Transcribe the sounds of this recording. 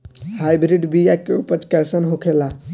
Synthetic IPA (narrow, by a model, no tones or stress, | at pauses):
hajbɾiɖbijakeupət͡ʃkɛsənɦokʰela